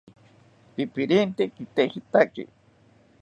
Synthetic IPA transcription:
p̪ipiɾint̪ekit̪ehit̪akḭ

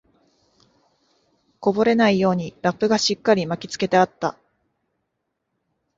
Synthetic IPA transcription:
ko̞bo̞ɾe̞naijo̞ːɲ̟iɾapːɯ̟ɡaɕikːaɾʲimakʲi̥t͡sɨ̥ke̞t̪e̞at̪ːa

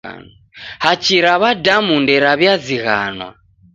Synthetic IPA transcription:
n | hat͡ʃiɾaβadamundɛɾaβjaziɣa̰nwa̰

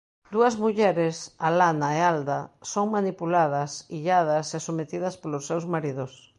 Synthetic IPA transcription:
d̪uɐzmuʎɛɾɪsalanaeald̪ɐsoŋmanipulaðɐsiʎað̞ɐsesomet̪iðɐspolʊsːewzmaɾiðʊs

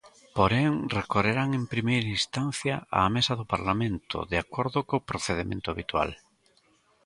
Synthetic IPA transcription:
poɾeŋrekoreɾaŋempɾimejɾɐĩst̪an̟θjɐa̰ːmesɐðʊpaɾlamẽnt̪ʊ̰ðeakoɾðʊkopɾoθeðemḛ̃nt̪ʊaβit̪wa̰l

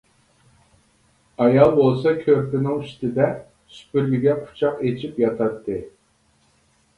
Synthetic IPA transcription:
ɑjɑlˠbolˠsɑkʲʰøɾpɪnɪŋiʃt̪ɪd̪ɛ | sy̥pyɾɡʲiɡʲɛqʰu̥t͡ʃʰɑqet͡ʃʰipjɑt̪ʰɑt̪ʰːɨ

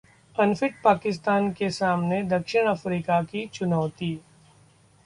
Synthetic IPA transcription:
ɐnfɪʈ̚paːkɪst̪aːnkesaːmned̪ɐkʃɪɽ̃ɐfɾiːkakit͡ʃʊnɔːt̪i

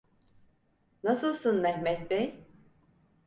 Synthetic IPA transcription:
nasɯlˠsɯnmɛhmɛt̪̚bɛj

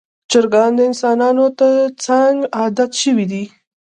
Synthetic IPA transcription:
t͡ʃəɾɡɑnd̪əɪnsɑnɑnot̪əɾt͡saŋɡɑd̪at̪ʃəwid̪i

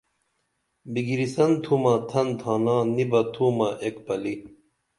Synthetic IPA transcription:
biɡiɾisɐnt̪ʰumɐt̪ʰɐnt̪ʰaːnãːnibɐt̪ʰuːmɐʔekpɐli

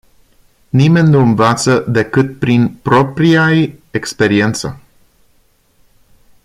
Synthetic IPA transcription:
nime̞nʲnuɨnvat̪səd̪e̞kɨt̪̚pɾinpɾo̞pɾiajekspe̞ɾie̞nt̪sə̰

